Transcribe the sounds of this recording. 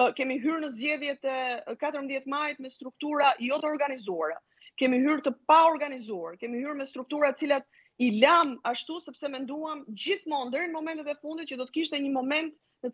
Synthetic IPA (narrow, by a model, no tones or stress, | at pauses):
kɛmiɦyɾnəzd͡ʑɛðjɛt̪ɛkat̪əɾmðjɛt̪majt̪̚mɛst̪ɾuk̚t̪uɾajɔt̪əɔɾɡanizuaɾa | kɛmiɦyɾt̪əpaɔɾɡanizuaɾkɛmihyɾmɛst̪ɾuk̚t̪uɾat̪ət͡silat̪̚ | ilamaʃt̪usɛpsɛmɛnd̪uamd͡ʑiθmɔnd̪əɾinmɔmɛnt̪ɛt̪ɛfund̪it̪̚t͡ɕəd̪ɔt̪ə̥kiʃt̪ɛɲəmɔmɛnt̪ | nə